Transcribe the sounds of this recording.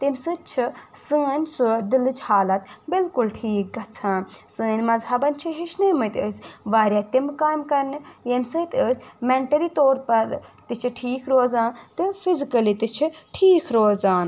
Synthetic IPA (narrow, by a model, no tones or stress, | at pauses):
t̪imʲsɨt͡ʃʰisɨːɐnʲsud̪ilɨt͡ʃʰhaːlɐt̪bɪlkʊlʈʰiːk̚ɡɐt͡sʰãːnsɨːnʲmɐzɦɐbɐnʲt͡ʃʰiɦiʃnɨːmɨt̪ʲəːsʲʋaːɾʲjaːt̪imkaːmkɐɾnɨjɐmʲsɨt̪ʲəsʲmɛɳʈɐɾit̪oːɾpɐɾt̪it͡ʃʰiʈʰiːkʰɾoːzaːnt̪ɨfʰizikɐlit̪it͡ʃʰiʈʰiːkʰɾoːzaːn